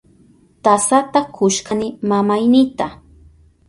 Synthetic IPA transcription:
t̪asat̪akʰʊʃkanɪmamajnɪt̪a

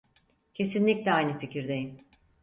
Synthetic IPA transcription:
cʰe̞sinlʲic̚lʲɛajnɯficʰiɾd̪e̞jim

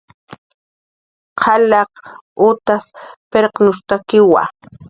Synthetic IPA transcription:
qʰɑlɑqʊt̪aspeɾqnʊst̪akɪwa̰

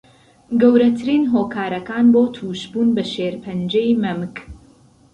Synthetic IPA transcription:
ɡɐwɾɐt̪ʰɨɾiːnɦoːkʰaːɾɐkaːnboːt̪ʰuːʃbuːnbɐʃeːɾpʰɐnd͡ʒejmɐmɨk

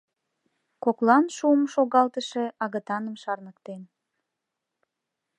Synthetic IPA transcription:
koklɑnʃuəmʃoɣɑlt̪əʃe̽ɑɣət̪ɑnəmʃɑrnəkt̪en

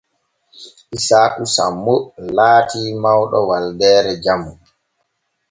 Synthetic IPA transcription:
ʔisaːkusa̰mːulaːtimawɗɔ̰waldɛːɾɛd͡ʒamu

